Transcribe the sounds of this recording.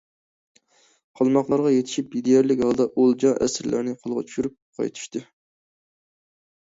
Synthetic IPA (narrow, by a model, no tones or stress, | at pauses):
qʰɑlˠmɑqlˠɑɾʁɑjet̪ʰɪ̥ʃip̚jid̪ijɛɾlɪkʲhɑlˠd̪ɑʔolˠd͡ʒɑʔæ̰sɾlæ̰ɾnɪqʰəlˠʁɑ̰t͡ʃʰy̥ʃyɾyp̚qʰɑ̰jt̪ʰu̥ʃt̪ɨ